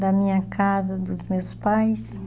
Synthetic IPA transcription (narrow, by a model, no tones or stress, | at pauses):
d̪ɐmĩɲɐkʰazɐd̪ʊzmewspajs